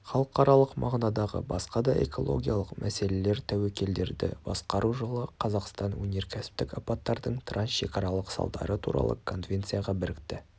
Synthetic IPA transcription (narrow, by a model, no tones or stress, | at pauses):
χɑlˠəəqɑɾɑlˠəqmɑʁnɑd̪ɑʁə̰bɑsqɑd̪ɑʔe̞̰kʰo̞lˠo̞̰ɡʲijalˠəqmʔæse̞le̞le̞ɾt̪ʰæwekʲʰe̞ld̪e̞ɾd̪ɪ̰bɑsqɑɾuʒəlˠəqʰɑzɑqst̪ɑnwɵnʲe̞ɾkʲʰæsɪ̥p̚t̪ɪkɑpɑt̪ːɑɾd̪əɴt̪ʰransʃe̞̰kɑɾɑlˠəqsɑ̰lˠd̪ɑ̰ɾət̪ʰuɾɑ̰lˠə̰kʰo̞nvʲe̞nt̪sɨjɑʁɑbɪɾɪk̚t̪ɪ